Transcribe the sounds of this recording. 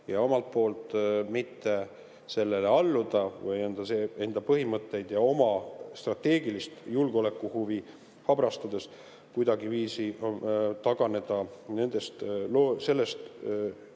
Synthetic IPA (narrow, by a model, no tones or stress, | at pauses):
jɑo̞mɑlt̪̚po̞ːlt̪ˑmit̪ːe̞ | se̞lːe̞leɑlːud̪̥ɑvɤjend̪̥ɑsee̞nd̪̥ɑpɤɦimɤt̪ːˑe̞jd̪̥jɑo̞mɑst̪rɑt̪ːe̞ːɡ̥ilist̪julɡ̥o̞le̞kːˑuhuvi | hɑbɾɑst̪ud̪e̞s | kujd̪̥ɑɡiviːsi | t̪ɑɡ̥ɑne̞d̪̥ɑne̞nd̪̥e̞st̪lose̞lːest̪